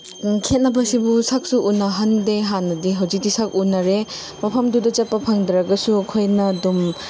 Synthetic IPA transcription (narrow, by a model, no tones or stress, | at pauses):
kʰet̚nɐbɐsibusak̚suʔunɐɦɐndeɦanːɐdiɦɐwzik̚disak̚unɐɾe | mɐpʰɐmdudɐd͡ʒɐpːɐpʰɐŋdɾɐɡɐsuɐkʰojnɐdum